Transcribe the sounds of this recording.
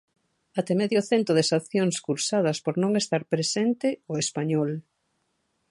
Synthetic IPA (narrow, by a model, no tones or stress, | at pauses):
at̪emeðjoθent̪ɾoðesaθjoŋskuɾsað̞ɐspoɾnõŋest̪aɾpɾesent̪ɪoespaɲɔl